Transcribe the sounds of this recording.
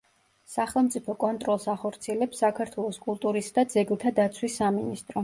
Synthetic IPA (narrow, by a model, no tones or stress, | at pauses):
saχɛlˠmt̪sʼipʰɔkʼɔnt̪ʼɾɔlˠsaχɔɾt̪sʰiɛlɛpsːakʰaɾt̪ʰwɛlˠɔskʼulˠt̪ʼuɾisd̪ad̪zɛɡlˠt̪ʰad̪at̪sʰwisːaminist̪ʼɾɔ